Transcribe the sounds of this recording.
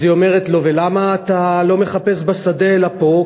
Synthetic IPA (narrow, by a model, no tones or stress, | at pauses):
zio̞me̞ʁet̪lo̞ve̞lamaːt̪alo̞meχape̞sbasad̪eːlapo̞